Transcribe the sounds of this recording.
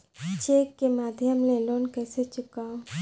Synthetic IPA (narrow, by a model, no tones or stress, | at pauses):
t͡ʃeːkːemaːd̪ʱjəmleloːnkɛːset͡ʃʊkao